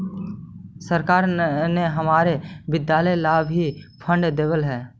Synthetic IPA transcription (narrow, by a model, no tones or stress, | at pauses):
səɾkaːɾneɦəmaːɾebɪd̪jaːləjlaːbʱipʰə̃ɳɖd̪eːʋəlɦɛː